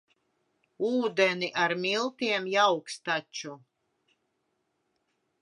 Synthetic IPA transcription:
uːd̪ɛniʔaɾmilˠt̪iɛmjawkst̪at͡ʃu

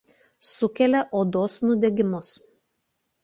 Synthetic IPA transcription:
sʊkʲɛlʲɛʔoːd̪oːsnʊd̪ʲɛɡʲɪmʊs

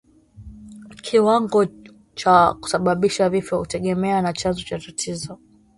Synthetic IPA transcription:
kʰiwaŋɡɔ | t͡ʃaku̥saɓaɓiʃavifɔutɛɠɛmɛanat͡ʃanzɔt͡ʃatatʰizɔ

